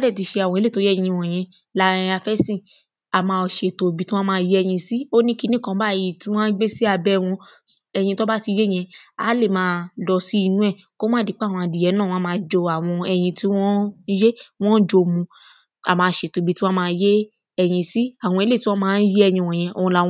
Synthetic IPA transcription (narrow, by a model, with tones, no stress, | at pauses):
a˦dɛ˦˨ti˧ʃe˧a˨w̃ɔ̃˧e˦le˦˨to˨˦jĩ˧˦ĩ˧w̃ɔ̃˨j̃ɛ̃˧ | lã˦˧a˧fɛ˦sĩ˦˨ | a˨mãː˧ɔ˨ʃe˨to˨bi˨˦tĩ˦ɔ̃˦mãː˦˧˦je˦ɛ˧j̃ĩ˧si˦o˦nĩ˦ki˨˧˦nĩ˦˨kã˧˦ba˦˨ji˨ti˦w̃ɔ̃˦n̩˦ɡ͡be˦si˦a˧˨bɛ˦w̃ɔ̃˧ | ɛ˧j̃ĩ˧to˦ba˦ti˧je˦˨j̃ɛ̃˧a̰˨˦le˦˨mãː˨˦lɔ˧si˦i˦˧nũ˦ɛ˦˨ | ko˦mãː˦˨di˨˦k͡pwɔ̃˧a˨˧˨di˨ɛ˨˦nãː˦˨ɔ̃˦mãː˧˦d͡ʒɔ˧a˨w̃ɔ̃˧ɛ˧j̃ĩ˧ti˦w̃ɔ̃˦je˦w̃ɔ̃˦d͡ʒo˧˨mũ˧ | a̰˨mãː˨˧˨ʃe˨to˨bi˨˦ti˦w̃ɔ̃˦mãː˦˧˦je˦ | ɛ˧j̃ĩ˧si˦a˨w̃ɔ̃˧e˨˦le˦˨tĩ˦ɔ̃˦mãː˦˧n̩˦je˦ɛ˦˧˨j̃ĩ˧˨wɔ̃˨j̃ɛ̃˧o˨˧ũ˧lã˧˨˦